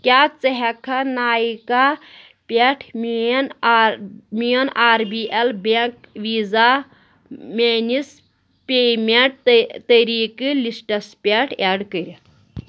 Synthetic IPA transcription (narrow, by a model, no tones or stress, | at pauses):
kʲaːt͡sɐɦɐkʰɐnaːjika | pʲeʈʰmn | mijonaːɾbiʔelbekʋiːza | meːnis | pʲemeɳʈ̚t̪əɾiːkɨlisʈɐspʲeʈʰeːɖkəɾ